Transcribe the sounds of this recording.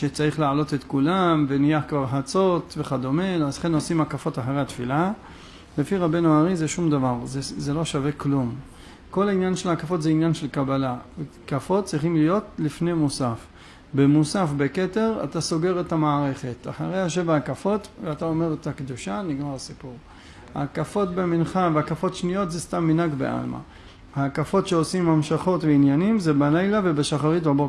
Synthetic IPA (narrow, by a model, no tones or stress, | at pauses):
ʃet͡saʁiχlaʕalo̞t̪e̞t̪kulamve̞nijaħkvaʁħat͡so̞t̪veχad̪o̞menazχe̞no̞simakafo̞taħaʁejhat̪fila | le̞fiʁabe̞nuaʁizeʃumd̪avaʁzezelo̞ʃave̞klum | ko̞lainjanʃe̞lakafo̞tzeinjanʃelkabalavekafo̞t̚t͡sʁiχimlijo̞tlifnejmusaf | bemusafbeke̞te̞ʁa̰taso̞ɡe̞ʁe̞thamaːʁe̞χe̞ta̰χa̰ʁe̞jhaʃ̬e̞vaːkafo̞tveatao̞me̞ʁetakd̪uʃaniɡmaʁasipuʁ | ha̰kafo̞tbeminχaveakafo̞tʃnijo̞tzestamːinaɡbeʔa̰lma̰ | hakafo̞tʃeo̞simhamʃaχo̞tveinjanimzebalajlave̞beʃaχaʁitbabo